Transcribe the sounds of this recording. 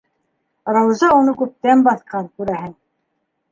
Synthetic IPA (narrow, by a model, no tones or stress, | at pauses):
ɾɑwzɑunukɵp̚t̪ɛmbɑθqɑnkuɾæɦɘn